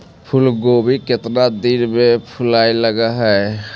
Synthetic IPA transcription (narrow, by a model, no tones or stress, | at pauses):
pʰʊlɡobʱiket̪nad̪inmepʰʊlaːiləɡaɦɛ